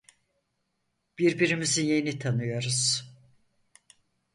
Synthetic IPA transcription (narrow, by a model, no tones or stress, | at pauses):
b̥iɾbiɾimizinje̞nit̪ʰanɯjo̞ɾuz̥